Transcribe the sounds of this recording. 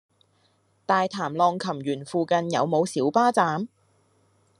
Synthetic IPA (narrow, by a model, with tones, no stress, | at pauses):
t̪aː˨jt̪ʰaː˨˩mlɔː˧ŋkʰɐ˨˩mjyː˨˩nfuː˨˧kɐ˧njɐ̰˨˧wmo˨˧wsiː˨˥wpaː˥t͡saː˨˧˥m